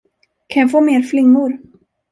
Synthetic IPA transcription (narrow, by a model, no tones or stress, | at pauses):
kʰanjafoːmeːɾflɪŋːʊɾ